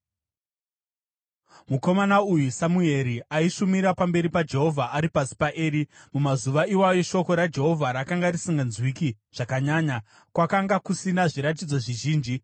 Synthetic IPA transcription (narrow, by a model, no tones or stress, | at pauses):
muko̞manaujusamue̞ɾiʔaiʂumiɾapambe̞ɾipad͡ʒe̞ɦo̞vʱaʔaɾipasi̥paʔeːɾimumazuʋaiwajo̞ʃo̞ko̞ɾad͡ʒe̞ɦo̞vʱaɾakaŋɡaɾisiŋɡanzwiki | ʐ̥akaɲaːɲa | kwakaŋɡakusinaʐiɾat̬id͡zo̞ʐiʒiːnd͡ʒi